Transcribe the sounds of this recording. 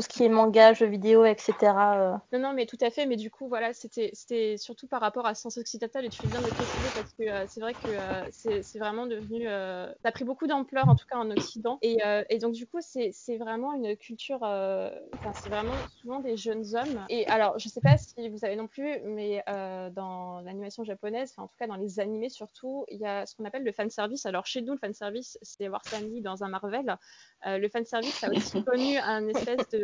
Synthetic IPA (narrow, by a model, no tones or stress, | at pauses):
tusə̥kʲiɛmɑ̃ɡaʒəvid̪eoɛkset̪eʁaønɔ̃nɔ̃mɛt̪ut̪afɛmɛd̪ykʰuvwalaset̪ɛse̥t̪ɛsyʁt̪upaʁːapɔʁasjɑ̃sɔksid̪ɑ̃t̪alet̪yfɛbjɛ̃d̪ələpχesizepaʁsə̥kəøsɛvʁɛkəøsɛsɛvʁɛmɑ̃d̪əvnyøsaːpχibokud̪ɑ̃plœʁɑ̃t̪u̥kaɑ̃nɔksid̪ɑ̃eøʔed̪ɔ̃k̚d̪ykusɛsɛvʁɛmɑ̃ynkʲʰylt̪ʰyʁøɑ̃fɛ̃sɛvʁɛmɑ̃suvɑ̃d̪eʒənzɔmeʔalɔʁʒəsɛpasəivuzavenɔ̃plymɛød̪ɑ̃lanimasjɔ̃ʒapɔnɛzfɛ̃ɑ̰̃t̪u̥kad̪ɑ̃lezanimesyʁt̪ʰuiljasə̥kɔ̃napɛlːəfansɛʁvisalɔʁʃenuləfanə̥sɛʁvisːɛavwa̰ʁsanid̪ɑ̃zɛ̃maʁvɛløləfansɛʁvisaosi̥kɔnyɛ̃nɛspɛsd̪ə